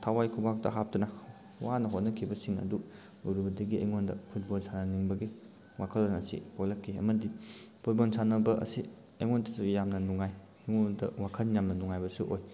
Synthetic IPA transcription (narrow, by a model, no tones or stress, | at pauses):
tʰawajkʰubak̚tɐ̰ɦap̚tɐnɐ | wanɐɦotnɐkʰibɐsiŋnɐ̰du | uɾuhudɐɡiʔɐ̰jŋondɐ̰pʰut̚bolsanɐniŋbɐɡi | wakʰɐlanɐsḭpʰolɐkʰːiɐ̰mɐdipʰut̚bolsanɐbɐɐ̰si | ɐ̰jŋontʰisujamnɐnuŋaj | eŋodɐ̰wakʰɐnjamnɐnuŋajbɐsuʔoj